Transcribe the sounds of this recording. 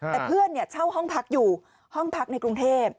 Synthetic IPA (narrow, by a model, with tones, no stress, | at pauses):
t̪ɛː˨˩pʰɯ˥˩ənːi˥˩ɐt͡ɕʰa˥˩wɦɔ˥˩ŋpʰa˦˥k̚juː˨˩ | hɔ˥˩ŋpʰa˦˥k̚na˧jkɾu˧ŋt̪ʰeː˥˩p̚